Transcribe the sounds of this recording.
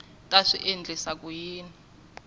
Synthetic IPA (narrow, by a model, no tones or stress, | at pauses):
tʼaʂiʔend͡ɮisak̬ʼujiːni